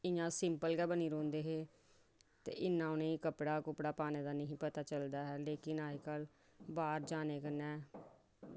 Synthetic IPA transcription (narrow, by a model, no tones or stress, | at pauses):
ɪɲãːsɪmpəlɡɛːbəniːɾõːnd̪eːɦeː | t̪ḛːʔɪnːãːʊnẽːikəpɽaːkʊpɽaːpaːneːd̪aːnəɦĩːpət̪aːt͡ʃəld̪aːɦɛːleːkɪnaːekəl | baːɾd͡ʒaːneːkənɛ̃ː